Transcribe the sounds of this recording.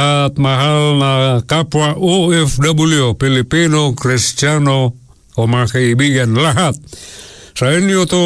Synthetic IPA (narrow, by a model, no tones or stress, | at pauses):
at̪̚maɦalnakapuaʔoɛfdabuliopilipinokrist͡ʃano | omakaibiɡanlaɦat̪̚sainiot̪o